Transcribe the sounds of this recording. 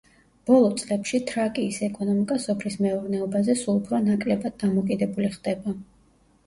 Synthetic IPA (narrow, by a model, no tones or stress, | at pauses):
b̥ɔlˠɔt̪sʼlɛpʃit̪ʰɾakʼiːsɛkʼɔnɔmikʼasɔpʰlismɛuɾnɛɔbazɛsulˠupʰɾɔnakʼlɛbad̪̚ːamɔkʼid̪ɛbuliχd̪̥ɛba